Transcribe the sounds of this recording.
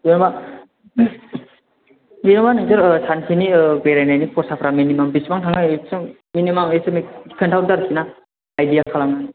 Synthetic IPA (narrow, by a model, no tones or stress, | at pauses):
zinba | zinɔbanɯŋzɯɾsankʰinibejɾajnajnipʰɔɾsapʰɾaminimambisbaŋtʰaŋaesɯ | minimamesɯmeki̥kʰəntʰawdaɾkʰinaː | jdijakʰalamnan